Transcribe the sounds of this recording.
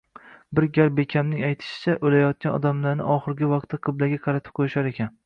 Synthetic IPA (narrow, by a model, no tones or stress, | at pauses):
bɪɾɡʲaɾbekʲʰamnɪŋajt̪ʰɪ̥ʃɪ̥t͡ʃʰaʔolajɒt̪̚kʲanɒ̰d̪amlaɾnɪ̰ɒχɨɾɡʲɪvɑq̚t̪ʰːaqʰɨblaɡʲaqʰɑɾat̪ʰɪ̥p̚qʰojɪʃaɾe̞kʲʰan